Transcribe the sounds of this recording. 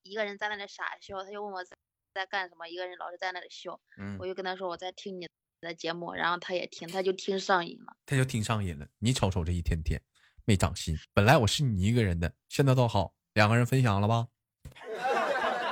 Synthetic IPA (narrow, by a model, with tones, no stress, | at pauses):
i˧˥ɡə˧ɻə˧˥nt͡sa˥˧ɪna˥˩lə˩ʂa̰˨˩ɕjʊt̪ʰa˥t͡ɕjo˥˧ʊwə˥˩nwɔ˨˩t͡s | t͡sa˥˧ɪka˥˩nʂə˧˥nmə˧i˧˥ɡə˧ɻə˧˥nlɑ˨˩ʊʂ̩ʰ˥t͡sa˥˧na˥˩ə˩ɕjo˥˩ʊ˩ɔ˨˩t͡ɕjkə˥nt̪ʰa˥ʂ̬wɔ˥wɔ˨˩t͡sa˥˩ɪt̪ʰi˥ŋni˨˩˧ | d̪ə˧t͡ɕjɛ˧˥mṵ˥˩ɻa̰˧˥nxo˥˧ʊt̪ʰa˥jɛ̰˨˩t̪ʰi˥ŋt̪ʰa˥t͡ɕjo˥˩ʊt̪ʰi˥ŋʂɑ˥˧ŋḭ˨˩nlə̰˦t̪ʰa˥t͡ɕjo˥˩ʊt̪ʰi˥ŋʂɑ˥˧ŋi˥˩lə̰˦ni˧˥ʈ͡ʂʰɑ˧˥ʊʈ͡ʂʰo˨˩ʊʈ͡ʂə˧˦i˥˩t̪ʰjɛ˥nt̪ʰjɛ̰˥n | me˥˩ɪʈ͡ʂɑ̰˨˩ŋɕḭ˥npə˨˩nla˧˥ɪwɔ˨˩ʂɻ̩˥˩ni˨˩i˧˥ɡə˧ɻə˧˥nd̪ə˧ɕjɛ˥˧nt͡sa˥˧ɪt̪̬o˥˩xɑ˨˧˦ʊ | ljɑ˨˩ŋɡə˦ɻə˧˥nfə˥nɕjɑ˨˩ŋlə˦bɐ˧